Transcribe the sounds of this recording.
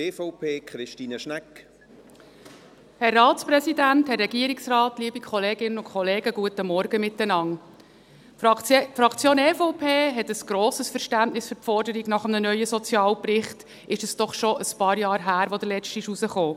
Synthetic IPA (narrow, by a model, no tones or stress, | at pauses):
efoʊpʰeːkχɾɪʃtiːnəʃnɛk | hɛrːɑːtt͡spɾɛsidænthɛrːɛɡ̥iəɾiksrɑːtliəbikʰχɔleːɡɪnənʊkʰχɔleːɡəɡ̥uətəmɔɾɡ̥əmɪt̪ːənɑŋ | fɾɑkt͡sjoːnɛːfoʊpʰeːɦɛt̪əsɡ̥ɾɔːsəsfəɾʃtæntnɪsfʏɾtfɔrdəɾiɡnɑχəmnənœʏəsɔt͡sjɑːlprɪχt | ɪʃəsd̥ɔχʃɔʔəspɑːɾjɑːɾɦæːɾʋod̪əlɛt͡ʃtɪʃuzəχoː